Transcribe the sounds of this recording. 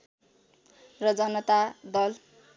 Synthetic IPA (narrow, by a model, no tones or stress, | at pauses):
rʌd͡zʌnʌt̪ad̪ʌl